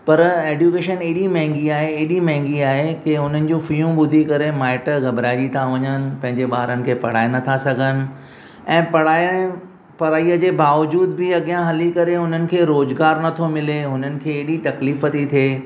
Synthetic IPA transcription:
pɐɾeːɖjukeːʃəneːɗimɐ̃ɦɪ̃ŋɡiaːɦeeːɗimɐ̃ɦɪ̃ŋɡiaːɦekeɦʊn̤ənɪ̆d͡ʑũfijũɓʊd̪ʱikɐɾemaːɪʈəɡɐbɾaːɪd͡ʑit̪ʰãʋɐɲənɪ̆pɐ̃ɦɪ̃ɲd͡ʑeɓaːɦɾənɪ̆kʰeːpɐɽ̤aːenɐt̪ʰasɐɡʱənɪ̆ | ɛ̃ːpɐɽ̤aː | pɐɾaːiəd͡ʑeːbaːʋd͡ʑuːd̪bɪɐɠijãɦɐlikɐɾeɦʊn̤ənɪ̆kʰeːɾoːzɡaːɾnɐt̪ʰomɪleɦʊn̤ənɪ̆kʰeːeːɗit̪ɐkliːfət̪it̪ʰieː

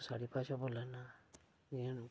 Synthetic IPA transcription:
saɹipajsɔbɔlana | ian

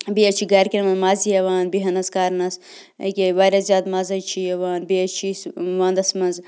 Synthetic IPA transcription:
bijɐt͡ʃʰiɡaːɾkʲinɐmɐnzmaːzijɐʋaːnbiɦɐnɐskaːɾnɐs | ɐ̰kʲeʋaːɾʲazjaːd̪maːzɐt͡ʃʰiɐʋaːnbiɐt͡ʃʰisʋaːnd̪ɐsmɐnz

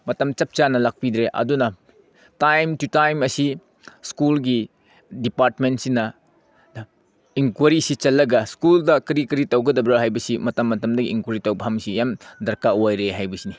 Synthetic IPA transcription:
mɐtɐmt͡ʃɐp̚t͡ʃanɐlak̚pid̪ɾeʔɐ̰dunɐ | tajmtutajmɐsi | skulɡi | dipaɾtmentsinɐ | iŋkwɐɾisit͡ʃɐlːɐɡɐskuldɐkɾikiɾitɐwɡɐdɐbɾaɦajbɐsimɐtɐmːɐtɐmdɐɡiːŋkwɐɾitɐwbɐɦamsijamdɐɾkaajɾeɦajbɐsini

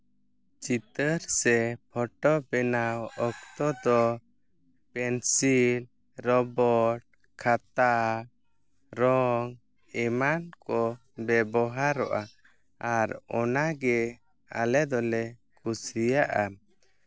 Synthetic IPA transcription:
t͡ʃit̪əɾsɛpʰɔʈɔbɛnawɔkt̪ɔd̪ɔ | pɛnsil | ɾɔbɔʈ̚ | kʰat̪a | ɾɔŋ | ɛmankɔ | bɛbɔɦaɾɔʔa | aɾɔnaɡɛ | a̰lɛd̪ɔlɛkʰusijaʔa

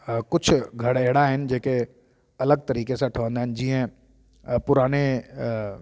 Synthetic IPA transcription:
kʊt͡ʃʰɡʱɐɽeːɽaɦɛnd͡ʒeːke | ɐləɡ̚t̪ɐɾiːkeseʈʰɔ̃ːnd̪ɛnd͡ʒiːɦɛ̃ | pʊɾaːne

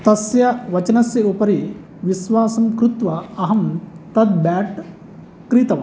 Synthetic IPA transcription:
t̪ɐsjɐʋɐt͡ʃɐnɐsjɐupɐɾi | ʋisʋaːsɐmkɾut̪ʋɐɐɦɐmt̪ɐd̪̚baːʈ | kɾit̪ɐʋɐ

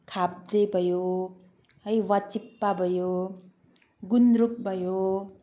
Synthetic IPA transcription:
kʰap̚d͡zebʱʌjo | ʌjwat͡ʃipːabʱʌjo | ɡunɾuk̚bʱʌjo

